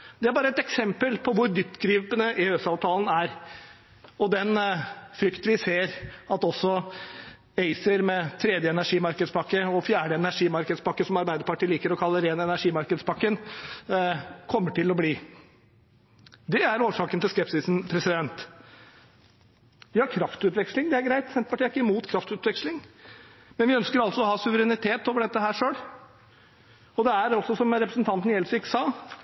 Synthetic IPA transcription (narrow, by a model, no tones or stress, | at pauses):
d̪ɛæɾbɑːɾəɛt̪ɛksɛmpəlpʰɔʋʊɾd̪ʏpt̪ːɡɾiːpənəʔɪøsɑːʋt̪ʰɑːln̩æɾ | ɔd̪ɛnfɾʏkt̪ʋɪseːɾɑt̪ɔsːɔ | eɪsəɾmɛt̪ʰɾɛd̪jəɛnæʂiːmɑɾkəd̪spɑkːəɔfjæːɖəɛnæʂiːmɑɾkəd̪spɑkːəsɔmɑɾbæɪd̪əɾpɑʈiːliːkəɾɔkʰɑlːəɾeːnəɛnæʂiːmɑɾkəd̪spʰɑkːən | kʰɔmːəʈɪlɔbliː | d̪ɛæɾoːʂɑːkənt̪ɪlskɛpsɪsn̩pʰɾɛsɪd̪ɛnt̪ | ʋɪhɑɾkʰɾɑft̪ʉːt̪ʋɛkslɪŋd̪ɛæɾɡɾæɪt̪sɛnt̪pɑʈiːəæɾɪkːəɪmuːt̪kʰɾɑft̪ʉːt̪ʋɛkʂlɪŋ | mɛnʋɪœnskəɾɑlt̪sɔɔhɑːsʉʋəɾɛnɪt̪ʰeːt̪oːʋəɖɛt̪ːəɦæːɾʂøːɽ | ɔd̪ɛæɾɔlsɔsɔmɾɛpɾəsənt̪ʰɑnt̪n̩jɛlsɪkːəsɑː